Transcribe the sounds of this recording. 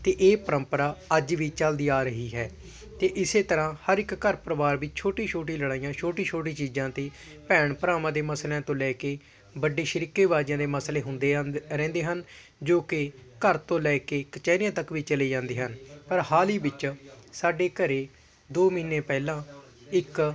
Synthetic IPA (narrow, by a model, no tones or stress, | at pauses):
t̪eːʔeːpəɾəmpəɾaːəd͡ʒʋiːt͡ʃəld̪iːaːɾəɦiːɦɛː | t̪eːʔɪseːt̪əɾãːhəɾɪkːəɾpɾəʋaːɾʋiːt͡ʃt͡ʃʰoːʈiːt͡ʃʰoːʈiːləɽaːijãːt͡ʃʰoːʈĩːt͡ʃʰoːʈ̬iːt͡ʃiːd͡ʒãːt̪eː | pɛːɳpəɾaːmãːd̪eːməsljãːt̪õːlɛːkeː | bəɖːeːʃəɾɪkːeːʋaːd͡ʒjãːd̪eːməsleːɦʊnd̪eːɾɛ̃ːnd̪eːɦən | d͡ʒoːkɪkəɾt̪õːlɛːkeːkət͡ʃɛːnɪjãːt̪əkʋiːt͡ʃəleːd͡ʒãːnd̪eːɦənpəɾhaːliːbɪt͡ʃsaːɖeːkəɾeː | d̪oːmiːnːeːpɛːlãː | ɪk